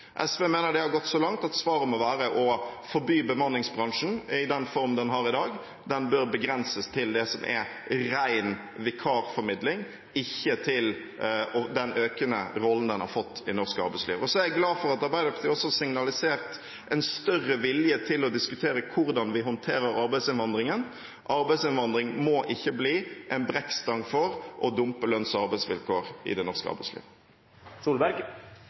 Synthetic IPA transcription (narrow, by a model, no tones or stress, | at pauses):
ʔɛ̰sʋeːmeːnəd̪ɛhɑɾɡɔt̪ːsɔlɑŋt̪ɑt̪sʋɑːɾəmɔʋæːɾəʔɔfɔɾbyːbəmɑnlɪŋsbɾɑŋʂn̩ɪd̪ɛnfɔɾmnd̪ɛnɦɑɾɪd̪ɑːɡ | d̪ɛnbøɾbəɡɾɛnsəst̪ʰɪld̪ɛsɔmʔɛ̰ɾæɪn | ʋɪkʰɑːɾfɔɾmɪd̪lɪŋ | ɪçːət̪ʰɪl | ɔd̪ɛnøːkənə̰ɾɔlːn̩d̪ɛnhɑɾfɔt̪ːɪnɔʁskəɑɾbæɪsliːʋɔsɔæɾæɡlɑːfɔɾɑt̪ɑɾbæɪd̪əpʰt̪ʰiːɔsɔsɪŋnɑlɪseːɾt̪ | ʔɛɪnst̪œrːəʋɪljət̪ʰɪlɔd̪ɪskʉt̪ʰeːɾəkʰʊɾd̪ɑnʋɪɦɔnt̪ʰeːɾəɾɑɾbæɪsɪnʋɑnd̪ʁɪŋən | ʔɑɾbæɪsɪnʋɑnd̪ɾɪŋmɔʔɪçːəbliːʔɛnbɾɛkst̪ɑŋfɔɾʔɔd̪ʊmpəlœnsɔɑɾbæɪsʋɪlkoːɾɪ̰d̪ɛnɔʁskəɑ̰ɾbæɪslḭːʋ | suːlbæɾɡ